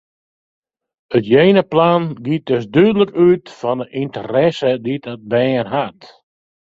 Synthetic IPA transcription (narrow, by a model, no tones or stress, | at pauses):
ətjejnəplanɡit̚døsdyədələkytfɔndəʔintəɾɛsəditɔt̚bɛənɦat